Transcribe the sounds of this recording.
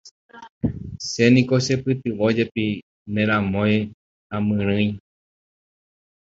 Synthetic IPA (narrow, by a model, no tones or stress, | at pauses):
se̞nĩkoʃe̞pɨt̪ɨʋod͡ʒe̞pi | mẽɾ̃ãmõj | ãmɨ̃ɾ̃ɨ̃j